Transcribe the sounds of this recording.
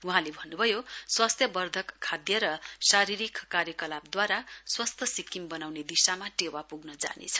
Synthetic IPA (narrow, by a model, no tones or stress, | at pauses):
uɦãlebʱʌnːubʱʌjoswast̪ʰjʌbʌrd̪ʱʌkʰːad̪jʌɾʌsaɾiɾikʰkaɾjʌkʌlabd̪waɾaswast̪ʰjʌsikːimbʌnawned̪isamaʈewapuɡnʌd͡za̰nḛt͡sʰʌ̥